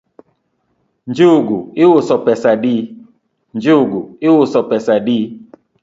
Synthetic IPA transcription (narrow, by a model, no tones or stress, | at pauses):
n̩d͡ʒeʊɡuɪwʊsɔpɛsadi | n̩d͡ʒeʊɡuɪwʊsɔpɛsadi